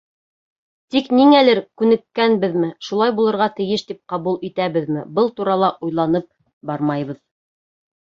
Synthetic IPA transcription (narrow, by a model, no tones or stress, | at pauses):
t̪ikniŋælɘɾkʉnɘ̆kːænbɘðmɘʃulˠɑjbulˠɤ̆ɾʁɑt̪ɘ̆jɘʃt̪ip̚qɑβulˠit̪æβɘðmɘ̰bɤlˠt̪uɾɑlˠɑʔujlˠɑnɤp̚ | bɑɾmɑjβɤð